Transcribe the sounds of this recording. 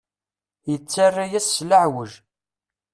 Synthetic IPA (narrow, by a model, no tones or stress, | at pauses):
jət͡sːarːajæsːlaʕwəʒ